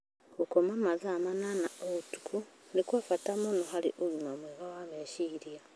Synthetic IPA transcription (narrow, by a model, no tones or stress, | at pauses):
ɡukomamazamananaoɣutu̥kʰu | nikwafatamonoxalḭʔoɣumamweɣawameʃiɾja